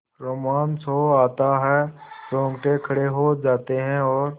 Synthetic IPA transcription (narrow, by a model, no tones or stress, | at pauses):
ɾoːmaːnsɦoaːt̪aɦɛɾõːŋɡʈẽkʰɐɽeɦod͡ʒaːt̪eɦɛ̃ɔːɾ